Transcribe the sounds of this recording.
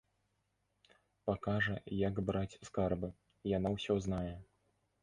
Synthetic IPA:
pakaʐɐjɐɡbɾat͡sʲskarbɨ | janawsʲɔznajɛ

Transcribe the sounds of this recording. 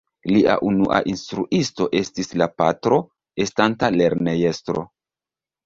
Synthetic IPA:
liʔa̰ʔunuʔa̰ʔinstɾuʔisto̞ʔe̞stislapatɾo̞ | e̞stantale̞ɾne̞je̞stɾo̞̰

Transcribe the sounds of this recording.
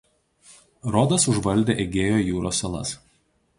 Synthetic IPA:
ɾɔd̪ɐsʊʒʋɐlʲd̪ʲeːʔɛɡʲeːjoːjuːɾoːsɐlˠɐ̰s

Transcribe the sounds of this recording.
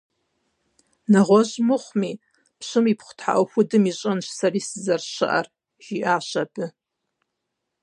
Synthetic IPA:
naʁʷoʒmɨχʷmi | pʰʃʷɨmipʰχʷtʰħa̰ʔaxʷʊdɨmiɕʷʼɨnʃsariszarʃɨ̰ʔa̰r | ʒ̥iʔaʃʷabʰɨ

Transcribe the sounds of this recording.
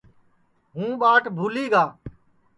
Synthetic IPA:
ɦũːɓaːʈʰbʱuːliːɡaː

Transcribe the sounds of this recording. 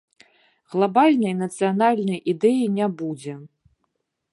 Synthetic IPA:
ɣlˠabalʲnɐjnɐt̪sɨjanalʲnɐjʔid̪ɛjinʲabud͡zʲɛ

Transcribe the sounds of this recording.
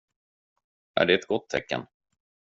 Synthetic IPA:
ʔæ̰ɖɛɛt̪ɡɔt̪ʰːɛkːə̰n

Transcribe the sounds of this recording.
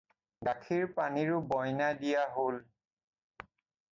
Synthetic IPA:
ɡakʰiɹpaniɹʊbɔjnadijaɦol

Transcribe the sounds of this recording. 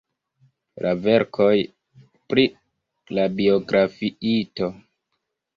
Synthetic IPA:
lʔave̞ɾkʰo̞j | pɾi | labio̞ɡɾʔafiito̞

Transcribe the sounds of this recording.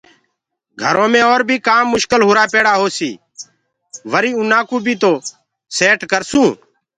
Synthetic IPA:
ɡʱəɾõːmẽːoːɾbʱiːkaːmːʊʃkəlɦʊɾaːpeːɽaːɦoːsiː | ʋəɾiːũːnaːkũːbʱiːt̪oː | seːʈkəɾsũː

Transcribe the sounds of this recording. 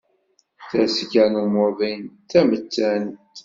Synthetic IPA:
θæskænumʊɾðint̪ːæmət͡sːænt̪

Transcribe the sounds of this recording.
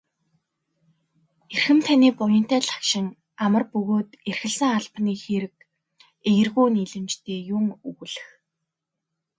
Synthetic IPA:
erxɘ̆mt̪ʰaniːpʊjə̆n̥t̪æːɮḁkʃɪ̆ŋ | amə̆rpɵɣoːt̪erxɘ̆ɮsə̆ŋaɮpniːxeɾɘ̆k̚ | ejɘ̆rɣuːniːɮɘ̆mt͡ɕt̪ʰeːjʊŋuɣ̆ɮɘ̆x

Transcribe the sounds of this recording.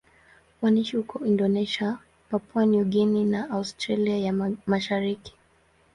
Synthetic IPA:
waniʃihukɔindɔnɛʃia | papwaniuɡininaaustɾaliajamaʃaɾiki̥

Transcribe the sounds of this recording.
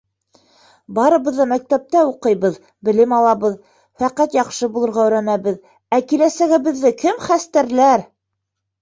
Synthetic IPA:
bɑɾɤ̆βɤ̆ðːɑmæk̚t̪æp̚t̪æuqɤjβɤð | bɘ̆lɘmɑlˠɑβɤð | fæqæt̪jɑqʃɤbulˠɤ̆ɾʁɑɵ̆ɾænæβɘð | ækilæsæɡɘ̆βɘ̆ðːɘkɘmχæst̪æɾlæɾ

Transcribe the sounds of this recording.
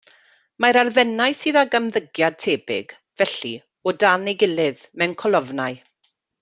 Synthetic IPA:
maɾalˠvɛnajsiːðaɡamðəɡjad̚tʰeːbɪ̰ɡ̥ | vɛɬḭ | odanejɡɪlɪðmɛwnkʰɔlˠɔvnaɨ

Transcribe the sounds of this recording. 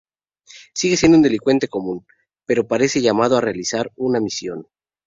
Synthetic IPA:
siɣes̬jend̪ound̪e̞liŋkwe̞nt̪e̞ko̞mũn | pe̞ɾo̞paɾe̞se̞ʝamað̞oare̞alisaɾunamisjo̞n

